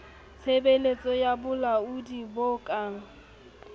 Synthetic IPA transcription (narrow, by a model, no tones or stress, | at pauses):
t͡sʰebelet͡sʼɔjabʊlaʊdibokʼa